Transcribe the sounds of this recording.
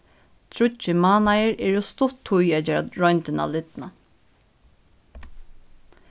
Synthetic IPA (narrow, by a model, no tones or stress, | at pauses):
t̪ʰɾʊt͡ʃːɪmaːnajəɾɛːɾɔst̪ʊt̪ʰːʊjɛt͡ʃɛɹɔjnt̪ɪna̰lɪt̪na